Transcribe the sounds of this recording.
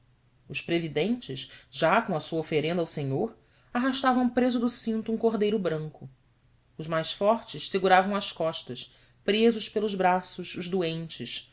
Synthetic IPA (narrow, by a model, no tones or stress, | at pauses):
ʊʃpɾevid̪ẽnt͡ʃɪʃʒakõɐsuɐofeɾẽnd̪awsẽɲoɾ | aɦaʃt̪avɐ̃w̃pɾezʊd̪ʊsĩnt̪uũkoɦd̪ejɾʊbɾɐ̃ŋkʊ | ʊʒmajsfɔɾt͡ʃɪʃseɡuɾavɐ̃w̃ɐskɔʃt̪ɐʃ | pɾezʊʃpelˠʊzbɾasʊʃʊʒd̪uẽnt͡ʃɪʃ